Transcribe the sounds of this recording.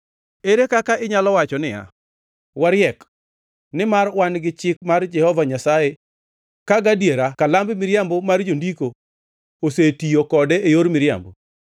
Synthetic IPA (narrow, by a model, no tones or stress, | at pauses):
eɾekakaʔɪɲalɔwat͡ʃɔnɪja̰ | waɾjɛk | nɪmarwanɡɪt͡ʃɪk̚mard͡ʒɛhɔvaɲasaje | kaɡadjeɾakalambmɪɾjambɔmard͡ʒondiko | osetiokɔdɛːjoɾmɪɾja̰mbo